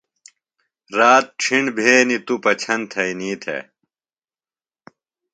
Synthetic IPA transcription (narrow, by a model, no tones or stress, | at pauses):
ɾaːt̪̚ʈ͡ʂʰiɳɖbʱeːnit̪upɐt͡ɕʰɐnt̪ʰɐiniːt̪ʰḛ